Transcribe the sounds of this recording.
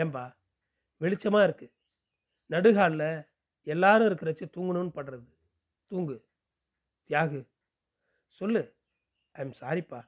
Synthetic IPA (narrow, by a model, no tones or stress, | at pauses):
eːmbaː | ʋɪɭɪt͡ʃːɐmaːɪɾɯkːɯ | nɐɽɯɣaːllɐ | ɛlːaːɾɯ̃ɪɾɯkːɪɾɐt͡ʃːɯt̪uːŋɡɯɳɯnːɯpɐɽɾɐðɯ | t̪uːŋɡɯ | t̪ɪjaːɣɯ | sɔlːɯ | ɐmsaːɾɪpːaː